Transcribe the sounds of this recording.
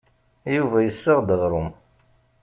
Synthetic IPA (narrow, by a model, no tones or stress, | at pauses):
juvæjəsːəʁd̪əʁɾˤʊm